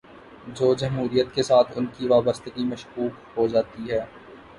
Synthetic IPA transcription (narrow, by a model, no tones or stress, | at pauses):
d͡ʒoːd͡ʒɐmɦuːɾijət̪kesaːt̪ʰʊnkiʋaːbəst̪əɡimɐʃkuːkɦod͡ʒaːt̪iɦɛː